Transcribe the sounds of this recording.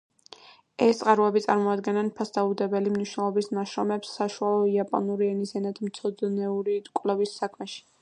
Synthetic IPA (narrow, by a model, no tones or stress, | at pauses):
ɛst̪sʼqʼaɾuɛbit̪sʼaɾmɔad̪ɡɛnanpʰasd̪aud̪ɛbɛlimniʃwnɛlˠɔbismaʃɾɔmɛpsːaʃualˠɔiapʼɔ̰nuɾiɛnizɛnat̪ʰmt̪sʰɔd̪nɛuɾikʼlɛvisːakʰmɛʃi̥